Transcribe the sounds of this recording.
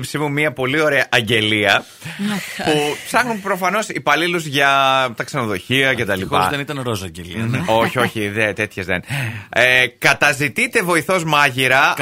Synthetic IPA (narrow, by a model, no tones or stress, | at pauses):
psimumiɐpo̞lio̞ɾe̞ɐʔɐɲɟe̞liɐ | pupsɐxnumpɾo̞fɐno̞sipɐliluzʝɐt̪ɐkse̞no̞ðo̞çiɐcet̪ɐliɐ̰ðenit̪ɐnɾosɐɲɟelḭo̞çio̞çiðet̪e̞t̪çe̞zðenekɐt̪ɐzit̪it̪e̞vo̞iθo̞zmɐʝiɾɐ